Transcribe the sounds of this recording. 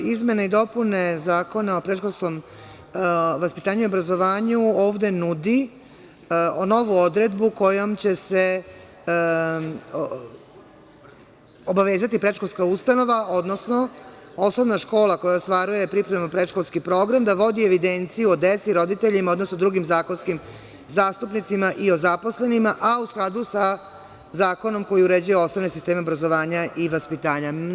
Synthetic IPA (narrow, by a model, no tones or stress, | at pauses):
izme̞neid̪o̞pune̞zaːko̞naopɾeʃkosko̞m | ʋaspit̪aːɲuiobɾazo̞ʋaːɲuo̞ːʋd̪e̞nud̪i | no̞ʋuo̞d̪ɾed̪buko̞jomt͡ɕe̞se̞ | obaʋeːzat̪ipɾe̞ʃkolˠskaust̪ano̞ʋaʔo̞d̪no̞sno̞ | osoʋnaʃko̞ːlˠako̞jaost̪ʋaɾuje̞pɾipɾemupɾeʃkolˠskipɾo̞ːɡɾamd̪aʋo̞d̪ieʋid̪ent̪sijuod̪et̪siɾo̞d̪it̪eʎimao̞d̪no̞snod̪ɾuɡimzaːkonskim | zaːst̪upnit̪simaʔio̞zapo̞sle̞nimaʔausklˠad̪usa | zaːko̞no̞mko̞jiuɾed͡ʑujeo̞snoʋnesist̪eːmeobɾazo̞ʋaːɲaʔiʋaspit̪aːɲa